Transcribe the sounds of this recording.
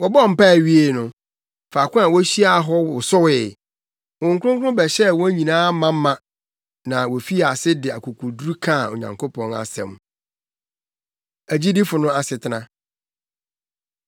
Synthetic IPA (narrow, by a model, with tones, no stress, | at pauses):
wɔ˨bɔ˦ɔ˦˨m̩˨pa˦˨ɥi˦e˨nʊ̃˨ | fa˨kʊ̃˦a˨wɔ˦ɕi˦a˦˨ɦɔ˦wʊ˨sʊ˦wɪ˨ | wʊ̃˨ŋ̩˦kʰʷʊ˦ʊ̃˦ŋ˦kʰʊ̃˦bɛ˨ɕɛ˦wɔ̃˦ɲĩ˨nãː˦mã˦m̩˦mã˨ | nã˨wɔ˨fi˦˨a˨sɪ˦dɪ˨a˨kʰu˨kʰu˨dɾu˦kʰã˦˨o̰˨ɲã̰˨ŋkʰo˦pʰɔ̃˨na̰˨sɛ̰̃˨m | æ˨d͡ʑi˦di˦fʊ˨nʊ̃˦a˨sɪ˨tʰɪ˨nã˨